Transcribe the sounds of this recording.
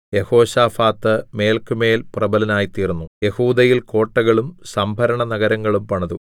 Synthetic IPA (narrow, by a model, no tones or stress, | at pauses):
je̞ho̞ːɕaːfaːt̪ːɨme̞ːlkɨme̞ːlprɐbɐlɐnaːjit̪iːrunːuje̞huːd̪ɐjilko̞ːʈːɐɣɐɭumsɐmbʱɐɾɐɳɐnɐɣɐɾɐŋːɐɭumpɐɳɐðu